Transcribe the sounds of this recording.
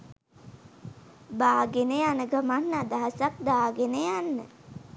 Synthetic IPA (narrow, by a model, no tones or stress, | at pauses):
baːɡeneanəɡamanːad̪aɦasak̚d̪aːɡenejanːə̰